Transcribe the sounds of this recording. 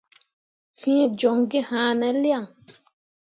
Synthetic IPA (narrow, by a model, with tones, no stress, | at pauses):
fĩ˦d͡ʒɔ˨ŋɡi˦hãː˨˦nɛ̃˨lja˦˨ŋ